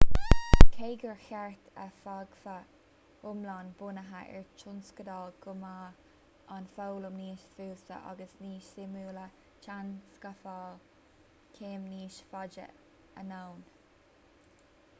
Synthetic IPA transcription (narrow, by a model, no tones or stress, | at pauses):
kʰeːɡəɹxɛɹt̪ʰə̰faɡfə | ʊmlɑnbʊnəɦaʔɛ̰ɹt͡ʃʰʊnskəd̪ɑːlɡʊma | anfowlʊmniːʃfuːst̪ə̰ʔa̰ɡəsniːʃsɪmuːlə | t͡ʃʰanskafɑːl | kʰeːmniːʃfɑd͡ʒə̰ | ənown